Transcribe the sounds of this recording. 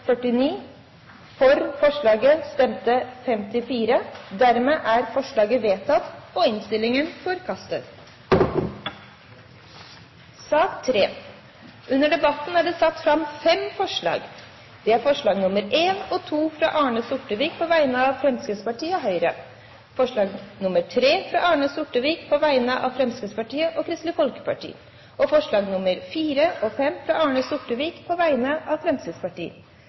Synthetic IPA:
fœʈɪniː | fɔɾfɔʂɭɑːɡəst̪ɛmt̪əfɛmt̪ɪfiːɾəd̪æɾmeːʔæɾfɔʂɭɑːɡəʋeːt̪ʰɑt̪oɪnst̪ɪlɪŋənfɔːɾkʰɑst̪ət̪ | sɑːkt̪ʰɾeː | ʔʉnːəɖɛbɑt̪n̩æːɖɛːsɑt̪ːfɾɑmfɛmfɔʂɭɑ̰ːɡ | d̪̥ɛæɾfɔʂɭɑːɡnʊməɾeːnɔt̪ʰuːfɾɑ̰ʔɑːɳəsʊʈːəʋiːk̚pʰɔʋæɪnəɑʋfɾɛmskəspɑʈʰiːəɦœʏɾə̰ | fɔʂɭɑːɡnʊmətʰɾeːfɾɑ̰ːʔɑːɳəsʊʈːəʋiːkpʰɔʋæɪnəʔɑ̰ʋfɾɛmskəspɑʈiːəʔɔkʰɾɪst̪ləfɔlkə̥pʰɑ̰ʈʰḭː | ɔfɔʂɭɑːɡnʊməɾfiːɾəɔfɛmfɾɑɑːɳəsʊʈəʋiːkpʰɔʋæɪnəʔɑːʋfɾɛmsəspɑʈḭː

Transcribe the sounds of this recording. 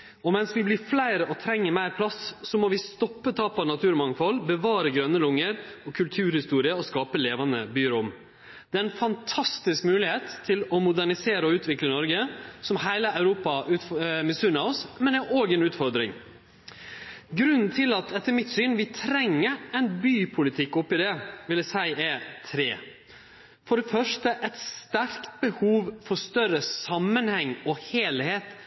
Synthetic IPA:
ɔmɛnsʋɪblɪflæɪɾəʔɔt̪ʰɾɛŋːəmæɪɾpʰlɑssɔmɔʋɪst̪ɔpːət̪ʰɑːpɑnɑt̪ʰʉːɾmɑŋfɔlbəʋɑːɾəɡɾœnːəlʊŋːəɾɔkʰʉlt̪ʰʉːɾhɪst̪uːɾɪəɔskɑːpəleːʋɑnəbyːɾʊm | d̪̥ɛæɾɛnfɑnt̪ʰɑst̪ɪskmʉːlɪheːt̪ʰːɪlɔmʊd̪æɳɪseːɾəɔʉːt̪ʋɪklənɔɾɡəsɔmhæɪləɑʉɾuːpɑʔʉt̪mɛsʉnɑɔsmɛnɛʔoːɡɛnʉːt̪fɔɾd̪ɾɪ̰ŋ | ɡɾʉnn̩t̪ʰɪlɑt̪ʰɛt̪ːəɾmɪt̪syːnʋɪt̪ʰɾɛŋːəɛɪnbyːpʰʊlɪt̪ʰɪkːɔpːɪd̪ɛʋɪljæsæɪɛt̪ʰɾeː | fɔɖɛfœʂʈəʔɛt̪st̪æɾkt̪̚bəhuːʋfɔst̪œɾəsɑmːənhɛŋːɔheːlheːt̪

